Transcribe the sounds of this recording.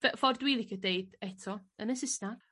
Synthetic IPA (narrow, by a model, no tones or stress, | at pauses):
vɛfɔrdwiːlˠikʰədeɨd̥ɛtʰɔənəsɪsnar